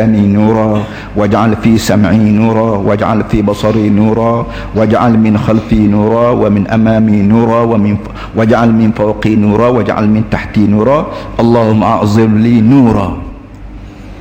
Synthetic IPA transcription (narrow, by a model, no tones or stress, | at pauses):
aːminuːɾˤɑ | wad͡ʒʕalfisamʕinuːɾˤɑwad͡ʒʕa̰lfibɑsˤɑɾinuːɾˤɑ | wad͡ʒʕa̰lmɪnxalfinuːɾˤɑwɪmɪnʔamaːminuːɾˤɑwmɪn | wad͡ʒʕalmɪnfawqinuːɾˤɑwad͡ʒʕa̰lmɪnt̪aħt̪inuːɾˤɑʔɑlˤːɑːhʊmːʔaʕzˤɨɾliːnuːɾˤɑ̰